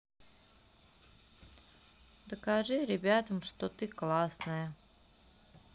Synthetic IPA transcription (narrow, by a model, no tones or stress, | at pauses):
d̪əkaʐɨɾʲɪbʲat̪əmʂt̪ot̪ɨklˠasnəjə